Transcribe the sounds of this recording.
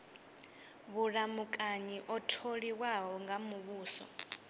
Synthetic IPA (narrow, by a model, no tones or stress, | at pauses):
βuɺamukʼaɲiʔɔtʰoɺiwaɦɔŋɡamuβuːsɔ̰